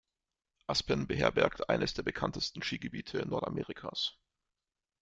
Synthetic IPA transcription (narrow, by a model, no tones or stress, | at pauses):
ʔaspənbəɦɛ̰ːɐbɛɐktʔa̰ɪnəsd̥eːɐb̥əkʰantəstn̩ʃiːɡəbiːtʰənːɔɐta̰mʔeːʁikʰa̰ːs